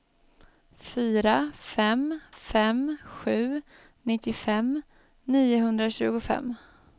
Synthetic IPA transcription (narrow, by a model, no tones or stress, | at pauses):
fyːɾafɛmfɛmɧʉ̟ː | nɪt̪ːɪfɛm | niːʊɦɵnd̪ɾaɕʉ̟ːɡʊfɛ̰mː